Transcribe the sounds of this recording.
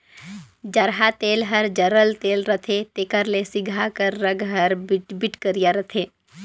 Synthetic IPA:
d͡ʒəɾɦat̪eːlɦəɾd͡ʒəɾəlt̪eːlɾət̪ʰet̪eːkəɾlesɪɡʱakəɾːəɡʱɦəɾbɪʈbɪʈkəɾijaɾət̪ʰeː

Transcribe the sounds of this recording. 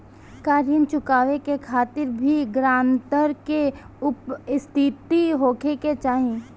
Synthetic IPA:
kaːɾjənt͡ʃʊkaːʋekekʰaːt̪ɪɾbʱiɡɾaːmt̪əɾke | ʊpɪst̪ʰiːt̪iɦoːkʰeket͡ʃaːɦẽ

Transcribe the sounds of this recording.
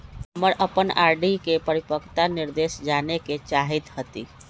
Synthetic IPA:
ɦəməɾʔəpənaɾɖikepəɾipəkt̪aniɾd̪esd͡ʒaneket͡ʃaɦit̪hət̪ḭ

